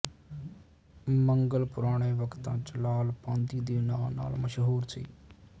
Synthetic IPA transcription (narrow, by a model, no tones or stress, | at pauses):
məŋɡəlpʊɾaːɽ̃eːʋəkt̪ãːt͡ʃlaːlpãːnd̪iːd̪eːnaːlna̰ːlməʃɦuːɾsʰḭː